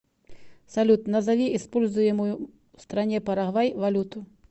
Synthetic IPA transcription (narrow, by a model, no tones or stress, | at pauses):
sɐlʲut̪nɐzavʲiʔispɔlʲzujɛmuju | st̪ɾanʲɛpɐɾaɣvajvalʲut̪u